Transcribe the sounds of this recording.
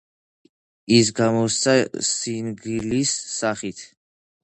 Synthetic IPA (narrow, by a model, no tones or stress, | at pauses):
is̬ɡamɔst̪sʰasinɡilisːaχit̪ʰ